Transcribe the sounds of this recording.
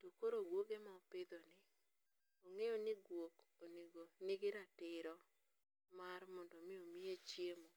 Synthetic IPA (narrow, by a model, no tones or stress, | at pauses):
tokoɾoɡwoɡemaopɪd̪ɔnɪ | oŋejonɪɡwok | oniɡonɪɡɪɾatɪɾɔ | maɾmɔndɔmɪomɪet͡ʃjemo